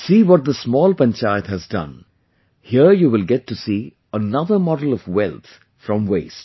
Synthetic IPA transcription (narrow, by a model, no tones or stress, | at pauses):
siːwɔʈ̚d̪əsmɔːlˠpɛ̃nt͡ʃaɪt̪hɨzdʌ̰̃n | hiəɹjuːwɪlɡɛtːusi | ənʌðəmɔɖl̩ˠɔvwɛlt̪ | fɾʌ̃mweɪst